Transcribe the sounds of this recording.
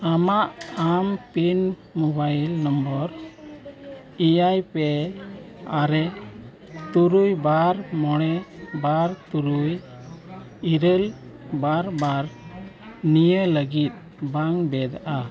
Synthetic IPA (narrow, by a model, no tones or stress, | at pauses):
amaʔampin | mɔbajlnəmbəɾ | ijajpɛ | aɾɛ | t̪uɾujbaɾmɔɽ̃ɛbaɾt̪uɾuj | iɾəlbaɾbaɾ | nijələɡit̪̚ | baŋbɛd̪aʔa